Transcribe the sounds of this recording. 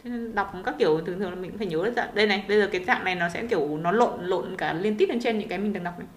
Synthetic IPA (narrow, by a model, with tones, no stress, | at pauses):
t̪ʰe˨˦e˧nɗa˨˩wk͡p̚kaː˦˥kːi˧˩əwt̪ɨ˨˩ŋt̪ʰɨ˨˩ŋla˨˩m˨˩ŋkṵ˧˥faː˧˩ɲə˨˦zə˦t̚za̰ː˧˨ɗə˧jna˨˩jɓə˧jzəː˨˩kaː˨˦za̰ː˧˨ŋna˨˩jnɔ˨˦sɛ̰˧˥ki˧˩əwnɔ˨˦lo̰˧˨nlo̰˧˨nkaː˧˩li˧ənt̪i˦˥t̚ɗe˨˦t͡ɕe˧nɲɨ̰˧˥ŋkaː˨˦mï˨˩ŋa˨˩ŋ̚ɗwk͡p̚na˨j